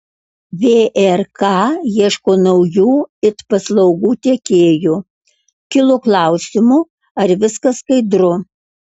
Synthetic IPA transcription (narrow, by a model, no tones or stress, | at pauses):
ʋʲeːʔɛɾkɑːjiɛʃkoːnɐʊjuːɪt̪pɐslˠɐʊɡuːt̪ʲeɛkʲeːjuː | kʲɪlˠʊklˠɐˑʊsʲɪmʊ | ɐɾʋʲɪskɐskɐɪd̪ɾʊ